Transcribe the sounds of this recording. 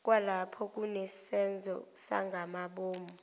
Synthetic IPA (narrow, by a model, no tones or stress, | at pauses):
k̬ʼwalapʰɔk̬ʼunɛsɛnd͡zʱɔ̰saŋɡʱamaɓoːmɔ